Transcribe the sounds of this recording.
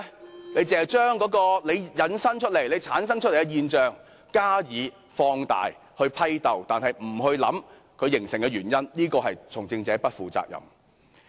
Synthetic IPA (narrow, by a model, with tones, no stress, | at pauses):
ne˨˧˥jt͡sɪ˨˧hɐ˨jt͡ʃœː˥ŋkɔː˨˥kɔː˧le˨˧jjɐ˨˧˥nsɐ˥ŋt͡ʃʰɵ˥t̚le˨˩jle˨˧jt͡sʰaː˨˥nsɐ˥ŋt͡ʃʰɵ˥t̚le˨˩kɛ˧jiː˧nt͡ʃœː˨ŋ | kaː˥jiː˨˧ | fɔː˧ŋt̪a̰ː˨j | hɵ˧ɥpʰɐ˥jt̪ɐ˨wt̪aː˨˩nhɐ˨jm̩˨˩ɦɵ˧ɥlɐ̰˨˥m | kʰɵ˨˧ɥjɪ˨˩ŋsɪ˨˩ŋkɛ˧ɥyː˨˩njɐ˥nniː˥kɔː˧hɦɐ˨jt͡sʰʊ˨˩ŋt͡sɪ˧ŋt͡sɛː˨˥pɐ˥t̚fuː˨t͡sa̰ː˧k̚jɐ̰˨m